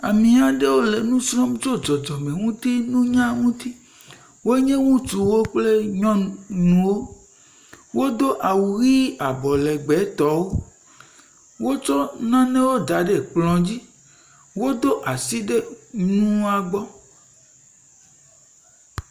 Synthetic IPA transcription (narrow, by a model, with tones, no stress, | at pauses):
a̰˨mĩ˨a˨ɖe˦wo˦le˨nũ˦sɾɔ̃˦mt͡ʃo˦d͡ʒɔ˨d͡ʒɔ˨mẽ˨ŋũ˦t̪i˦nũ˦ɲã˦ŋũ˦t̪i˦ | wo˦e˦ɲẽ˦ŋũ˦t̪u˨wo˦k͡ple˦ɲɔ̃˦nũ˨wo˦ | wo˦d̪o˦ʔa˨wu˨ɣi˦a˨bɔ˨lɛ˨ɡ͡bɛ˨˦t̪ɔ˦wo˦ | wo˦t͡ʃɔ˦nã˦nẽ˦wo˦d̪a˨˦ɖe˨k͡plɔ̃˨d͡ʑi˦ | wo˦d̪o˦ʔa˨si˦ɖe˦nũ˦a˨ɡ͡bɔ˦